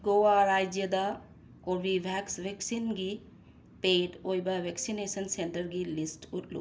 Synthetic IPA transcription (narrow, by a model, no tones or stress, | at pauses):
ɡowaɾajd͡ʒjəd̪a | koɾbibʱɛksʋeksinɡi | peɖojbabʱɛksinesənsenʈəɾɡilisʈuʈlṵ